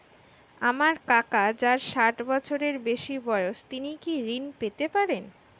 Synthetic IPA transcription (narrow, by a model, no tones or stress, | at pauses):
amaɾkakad͡ʑaɾʃaʈbɔt͡ɕʰoɾeɾbeʃibɔeoʃt̪inikiɾinpet̪epaɾen